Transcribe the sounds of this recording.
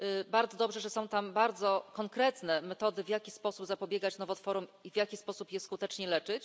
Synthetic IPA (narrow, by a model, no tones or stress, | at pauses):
baɾd̪zɔd̪ɔbʐɛʐɛsɔ̃w̃t̪ambaɾd̪zɔkɔŋkɾɛt̪nɛmɛt̪ɔd̪ɘvjakʲispɔsubzapɔbʲjɛɡat͡ɕnɔvɔt̪fɔɾɔmivʲjakʲispɔsupjɛskut̪ɛt͡ʂɲɛlɛt͡ʂɘt͡ɕ